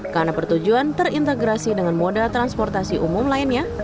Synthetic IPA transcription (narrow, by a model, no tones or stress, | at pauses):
karnapərt̪ud͡ʒuant̪ərint̪eɡɾasidəŋanmodat̪ɾanspɔrt̪asiʔumʊmlaɪnɲa